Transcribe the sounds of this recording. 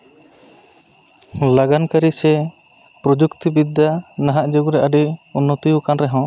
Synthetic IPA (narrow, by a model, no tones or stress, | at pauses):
laɡankaɾisɛ | pɾɔd͡ʒukt̪ibid̪ʱanaɦaʔd͡ʒuɡɾɛʔaɖiunːɔt̪ijukanɾɛɦɔ̃